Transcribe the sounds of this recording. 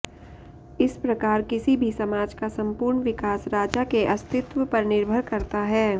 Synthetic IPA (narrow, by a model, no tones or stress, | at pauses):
ɪspɾɐkaːɾkɪsibʱisɐmaːd͡ʒkasɐ̃mpʊːɾɳʋɪkaːsɾaːd͡ʒakeʔɐst̪ʰɪt̪wəpɐɾnɪɾbʱəɾkɐɾt̪aɦɛː